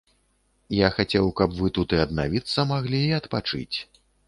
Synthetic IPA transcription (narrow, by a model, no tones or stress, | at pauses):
jaxat͡sʲɛwkɐpvɨt̪ut̪ɨɐd̪navʲit̪sːɐmaɣlʲiːɐt̪pat͡ʂɨ̰t͡sʲ